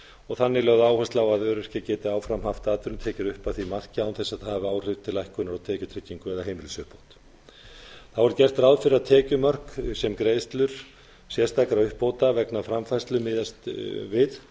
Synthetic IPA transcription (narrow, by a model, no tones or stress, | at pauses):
ɔɣθanːɪlœːɣðʏaːwhast̪lawaðœːɾɛ̥hcɪcɛːt̪ɪaːwfɾamhaft̪aːt̪ʏɾʏmt̪ʰɛːcɪɾʏhpaθimar̥cɪawnθɛsaðhaːvɪaːwr̥ɪv̥t̪ʰɪlajhkʏnaɾawt̪ʰɛːcʏt̪ʰɾɪcːiŋkʏɛðaɦeːjmɪlsœhpowt̪ | θavɔɾʏcɛr̥t̪ɾawðfɪɾɪat̪ʰɛːcʏmœr̥ksɛmkɾeːjst̪lʏɾ̥ | sjɛ̥st̪aːkaɾaʏhpowt̪avɛknafɾamfajst̪lʏmɪːðast̪vɪð